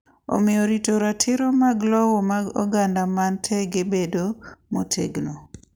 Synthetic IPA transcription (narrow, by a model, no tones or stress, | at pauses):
o̰mɪjoɾitoɾatʰɪɾomaɡlɔwɔmaɡɔ̰ɡandamantʰɛɡebedomotʰeɡno